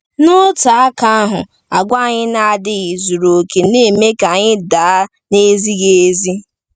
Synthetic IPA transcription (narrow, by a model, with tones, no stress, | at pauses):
nʊ˦ta˨a˦ka˦a˦ɦʊ̰˨ | a˨ɡʷa˦˨ɲɪ˦na˦a˨dɪ˦ɣɪ˨zu˨ɾo˨ke˨ne˦˨me˦ka˨ɲɪ˦da˨a˦ | ne˦zi˦ɣe˨˦zi˦